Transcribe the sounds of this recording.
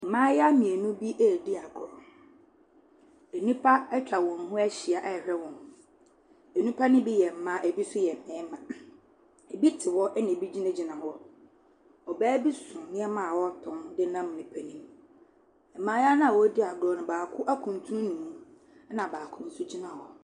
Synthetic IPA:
m̩˨mãː˦ja˦mĩ˨e˨nũ˦bi˦ʔɛ˦˨dɪ˦a˨ɡɾɔ˨ | æ˨nĩ˦pʰa˦ɛ˦t͡ɕᶣa˨wɔ̃˨nɦʊ̃˦æ˦ɕi˨a˨ʔɛ˦˨ɾɛ˦wɔ̃˨n | e˨nũ˦pʰa˦nɪ̃˦bi˦jɛ˨m̩˨mã˦ʔæ˨bi˦sʊ˦jɛ˨m˨mɛ̃˨˦mã˨ | e˨bi˦tʰɪ˨wɔ˦ʔɛ˦nɪ̃˨bi˦d͡ʑi˦nɛ̃˦d͡ʑi˨nã˨ɦɔ˦ | ɔ˨bæː˦bi˦sʊ̃˨nɪ̃˦ɛ˦mã˨wɔ˦tʰɔ̃˦ndɪ˦nã˦m˨nĩ˨pʰæ˨nĩ˦m | ɛ˨mãː˨˦ja˦nã˦a˨wɔ˦dɪ˦a˨ɡɾɔ˨nʊ̃˨baː˨kʰʊ˦ʔa˦kʰũ˨n˨tʰu˦ʊ̃˦nĩ˨mũ˦ | nã˨baː˨kʰʊ̃˦n̩˨sʊ˦d͡ʑi˦nã˨hɔ˦

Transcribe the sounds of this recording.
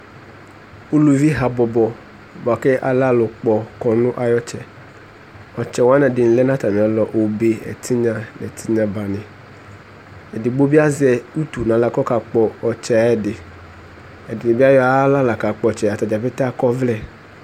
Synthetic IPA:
u˦lu˨vi˦ɦa˨bɔ˨bɔ˨ | bɔ˨a˨kɛ˦ʔa̰˨la˦lʊ˨k͡pɔ˨kɔ˨nʊ̃˦ʔa˨jɔ˦t͡ʃɛ˨ | ɔ˨t͡ʃɛ˨wa˦nɛ˨dɪ˨n̩˨lɛ˦nã˦t̪a˨mĩ˨a˨lɔ˨ʔo˨be˦ɛ̰˨tʰi˦ɲã˨nɛ˨t̪ʰi˦ɲã˨ba˨nɪ̃˨ | ɛ˨dɪ˨ɡ͡bo˦bi˦a˦zɛ˨u˦t̪u˨nã˨˦la˨kɔ˦ka˨k͡pɔ˨ɔ˨t͡ʃɛ˨ɛ˨dɪ˨ | ɛ˨dɪ˨dɪ˨bi˦a˦jɔ˦a˦la˦la˨ka˨k͡pɔ˨t͡ʃɛ˨a˨t̪a˨d͡ʒa˨fɛ˦t̪a˦kɔ˦vlɛ˦

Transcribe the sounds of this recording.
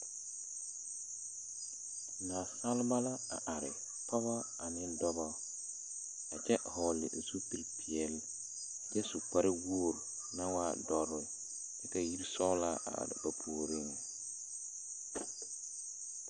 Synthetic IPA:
naː˨sa˦lba˦la˦a̰˨ʔa˨ɾɪ˨ | pɔ˦ba˦ | a˨nɪ˦dɔ˦ba˦ | a˨d͡ʒɛ˦hɔ˨lɪ̰˨su˦ti˦lpʰi˨ɛ˨lɪ˨ | a˨d͡ʒɛ˦su˨k͡pa˦ɾɪ˦woː˦˨ɾ | na˦waː˦dɔ˨ɾɪ˨ | dɛ˦ka˨ji˦ɾsɔ˦la˦ʔa̰˨a̰˨ɾɪ̰˨ba˨pʰuː˨ɾɪ˦ŋa˨

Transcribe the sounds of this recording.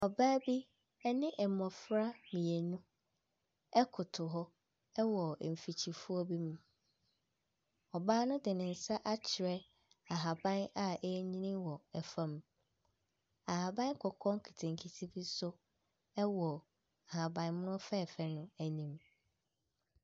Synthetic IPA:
ɔ˨baː˦bi˦ | ɛ˦nɪ̃˦ʔɛ˨mɔ̃˨fɾa˦mĩ˨e˨nũ˦ | ɛ˦kʰʊ˨tʰʊ˨ɦɔ˦ | ɛ˦wɔ˨m̩˨fi˨t͡ɕʰi˨fu˦ɔ˦bi˦mũ˨ | ɔ˨baː˦nʊ̃˦dɪ˨nɪ̃˨n̩˨sa˦ʔa˦t͡ɕʰɪ˨ɾɛ˦ | a˨ɦa˨bã˦na˨ʔɛ˦ɲĩ˦nɪ̃˦wɔ˨ɛ˨fã˦m | a˨ha˨bã˦n˦kʰɔ˨kʰɔ̃˦ŋkʰi˨tʰɪ̃˨ŋ˨kʰi˨tʰi˦bi˦sʊ˦ | ɛ˦wɔ˨ | a˨ha˨bã˨n˦mʊ̃˦nʊ̃˦fɛ˦˨fɛ˨nʊ̃˦æ˨nĩ˨m

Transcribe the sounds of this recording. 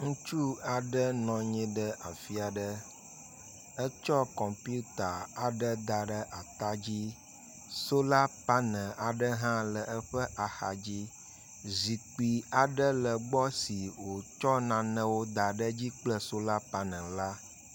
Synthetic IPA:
ŋũ˦t͡ʃu˦a˨ɖə˦nɔ̃˨ɲĩ˦ɖə˦ʔa˨fi˦a˨ɖə˦ | ə˦t͡ʃɔ˦kɔ˨mpu˦t̪a˨a˨ɖə˦d̪a˨ɖə˦ʔa˨t̪a˦d͡ʑi˦ | so˦la˦pa˦nɛ̃˨a˨ɖə˦ɦã˦lə˨ə˦ɸə˦ʔa˨xa˨d͡ʑi˦ | zi˨k͡pi˨a˨ɖə˦lə˨ɡ͡bɔ˦si˨wo˨t͡ʃɔ˦nã˨nə̃˦wo˦d̪a˨ɖə˦d͡ʑi˦k͡plə˦so˦la˦pa˦nɛ̃˨la˦

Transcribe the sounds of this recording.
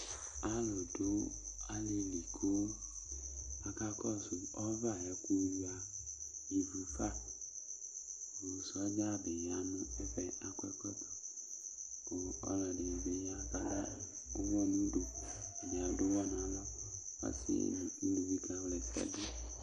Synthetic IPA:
a˦lo˨do˦a˦li˦li˨kʰo˦ | a˨ka˦kɔ˦su˨ɔ˦va˦˨jɛ˨ku˦ji˦a˨ji˨vu˨fa˦˨ | wo˨sɔ˦d͡ʒa˦be˨ja˨˦mẽ˦e˦fɛ˦a˨kɛ˦kɔ˦t̪ɔ̥˦ | o˨ɔ̰˦la˨ɖe˨be˨ja˦ka˦la̰˦ | o˦wɔ˦nũ˦ɖo˨a˨nẽ˨a˨˦do˦wɔ˦nã˨lɔ˦ | a̰˦sḭ˦nũ˨i˦lu˨bi˦ka˦wlɛ˨sa̰˨di˦

